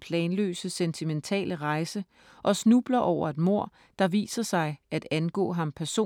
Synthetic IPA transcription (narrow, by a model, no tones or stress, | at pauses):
pʰlɛːnlø̰ːsəsent͡sʰiment͡sʰɛ̰ːləʁɑ̈ɪsə | ʔɒ̽snub̥lɐʔɒʊ̰ɐe̝d̥mo̝ɐ̰ | d̥ɑ̈ʋḭːsɐsɑ̈ɪʔæd̥ænɡ̥ɔ̰̽ːɦɑ̈mpʰæɐso̝̰